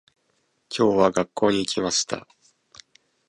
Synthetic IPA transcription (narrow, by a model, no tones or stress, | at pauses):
kʲʰo̞ːβaɡakːo̞ːɲ̟iːkʲimaɕi̥t̪a̰